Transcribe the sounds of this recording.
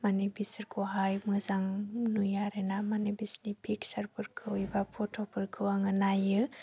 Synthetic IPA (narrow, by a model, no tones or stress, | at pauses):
manibisɯɾkʰɔɦajmɯzaŋnujaɾenamanibisnipʰiksaɾpʰɯɾkʰɯwibapʰɔtʰɔpʰɯɾkʰɯwaŋɯnajɯ